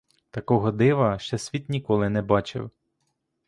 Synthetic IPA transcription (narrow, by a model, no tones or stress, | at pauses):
t̪ɐkɔɦɔd̪ɪʋɐʃt͡ʃɛsʲʋʲit̪nʲikɔlˠɪnɛbɑt͡ʃɪ̰w